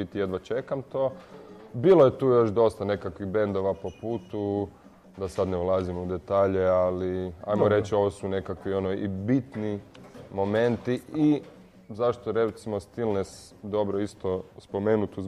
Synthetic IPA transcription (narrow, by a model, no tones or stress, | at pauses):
it̪ijed̪ʋat͡ʃe̞kamt̪o̞ːbiːlojet̪uːjo̞ʃd̪o̞st̪ane̞kakʋiɣbe̞nd̪oʋapo̞puːt̪u | d̪asad̪neulˠazimoud̪et̪aːʎealia̰jmoɾet͡ʃio̞ʋosune̞kakʋio̞noʔibit̪nimo̞me̞nt̪ii | zaʃt̪oɾet̪simo̞st̪ilˠnes | d̪o̞bɾoist̪o̞spo̞meːnut̪uz